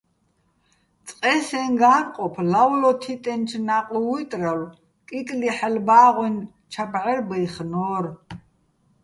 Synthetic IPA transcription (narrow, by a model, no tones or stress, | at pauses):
t͡sʼqʼɛsɛnɡaːɴqʼɔpʰlawlɔt̪ʰit̪ʼɛnt͡ʃʰnaqʼuwut̪ʼral | kʼikʼliħɛlbaːʁwin | t͡ʃʰapʰʼʕɛrbɛjχnɔːr